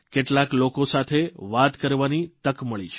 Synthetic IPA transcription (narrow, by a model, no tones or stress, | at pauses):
keʈlaklokosat̪ʰeʋat̪kəɾʋanit̪əkməɭit͡ʃʰe̥